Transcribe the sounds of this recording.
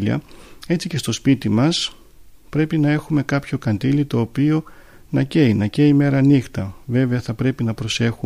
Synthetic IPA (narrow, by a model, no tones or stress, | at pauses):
liɐ̰e̞t͡sice̞st̪o̞spit̪imɐs | pɾe̞pinɐe̞xume̞kɐpço̞kɐnd̪ilit̪o̞ːpio̞ | nɐce̞inɐceime̞ɾɐnixt̪ɐve̞ve̞ɐθɐpɾe̞pinɐpɾo̞se̞xu